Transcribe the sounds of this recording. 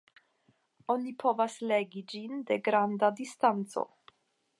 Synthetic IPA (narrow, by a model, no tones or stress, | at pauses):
o̞nipʰo̞vasle̞ɡid͡ʒinde̞ɡɾandadistant͡so̞̰